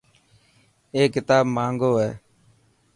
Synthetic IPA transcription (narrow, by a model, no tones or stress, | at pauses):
eːkɪt̪aːbmãːŋɡoːɦɛː